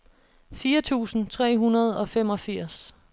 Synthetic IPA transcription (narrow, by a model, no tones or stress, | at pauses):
fiːɐt͡sʰṵːsn̩t͡sʰʁɛ̰ːɦunɐð̞̩ˠɒ̽fem̰ɒ̽fiɐ̰s